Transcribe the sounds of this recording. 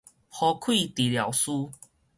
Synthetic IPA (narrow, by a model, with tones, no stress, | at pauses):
hɔ˨˧kʰwi˥˨t̪i˨lja˨˩ʊwsu˦